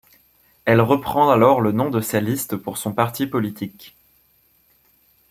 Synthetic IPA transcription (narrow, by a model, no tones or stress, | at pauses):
ɛlʁəpχɑ̃alɔʁlənɔ̃d̪əsalist̪puʁsɔ̃paʁt̪ʰipɔlit̪ʰik